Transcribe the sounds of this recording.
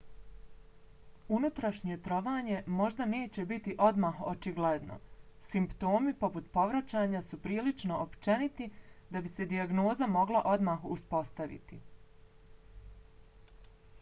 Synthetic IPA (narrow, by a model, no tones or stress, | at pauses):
unut̪ɾaʃɲe̞t̪ɾo̞ʋaːɲe̞mo̞ʒd̪ane̞ːt͡ɕe̞bit̪iʔo̞d̪maːxot͡ʃiɡled̪no̰simpt̪o̞ːmipo̞put̪po̞ʋɾat͡ɕaːɲasupɾiːlit͡ʃno̞ʔopt͡ʃe̞nit̪id̪abise̞d̪iaɡno̞ːzamo̞ɡlˠaʔo̞d̪maːxuspo̞st̪aʋḭt̪i